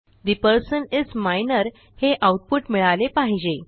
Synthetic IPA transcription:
d̪ipəɾsənid͡zmajnəɾ | heʔawʈ̚puʈmiɭalepaɦid͡ʑe

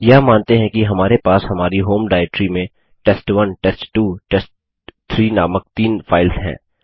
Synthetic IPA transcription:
jɐmaːnt̪eɦɛ̃kiɦɐmaːɾepaːsɦɐmaːɾiɦoːmɖaːɪʈɾimẽ | ʈɛːsʈʋɐnʈɛːsʈʈuːʈɛːsʈ | t̪ʰɾiːnaːmək̚t̪iːnfʰaːɪlzɦɛ̰̃ː

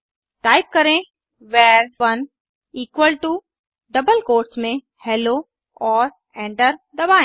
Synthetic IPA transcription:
ʈaːɪp̚kɐɾẽ | ʋɛːɾʋɐn | iːkʋəlʈu | ɖɐbəlkoːɾʈsmẽ | hɛːlo | ɔːɾ | ɛ̃ːɳʈəɾd̪ɐbaːẽ

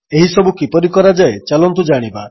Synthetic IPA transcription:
eɦisɔbukipɔɾikɔɾad͡ʒaet͡ʃalɔnt̪ud͡ʒaɽ̃iba

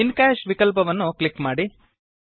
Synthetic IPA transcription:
inkaːʃʋikɐlp̬ɐʋɐnːuklikmaːɽi

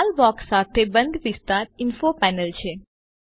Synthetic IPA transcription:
lbɔksːat̪ʰebənd̪ʋɪst̪aɾɪnfopɛnəlt͡ʃʰe

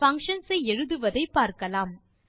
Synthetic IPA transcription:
fɐŋkʂɐnsɐɪɛɻɯðɯʋɐðɐɪpːaːɾkɐlaːm

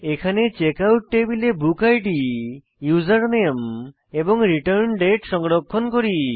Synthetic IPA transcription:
ekʰanet͡ʃekawʈːebilebukajʈi | juzaɾnem | ebɔŋɾiʈəɾnɖeʈsɔŋɽɔkʰːɔnkoɾi

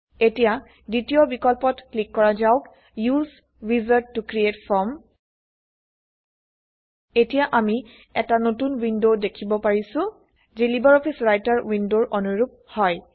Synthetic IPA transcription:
etija | ditijɔbikɔlpɔtklikːɔɹazaʊk | juz | wizatːukɹietfʰɔɹm | etijaʔami | ɛtanotunwindodekʰibɔpaɹisʊ̃ | zelibaɹɔpʰisɹajtaɹwindoɹʔɔnuɹup̚ | hɔj

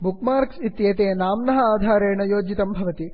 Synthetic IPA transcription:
bukmaːɾksit̪jeːt̪eːnaːmnɐɦɐaːd̪ʱaːɾeːɳɐjoːd͡ʒit̪ɐmbʱɐʋɐt̪i

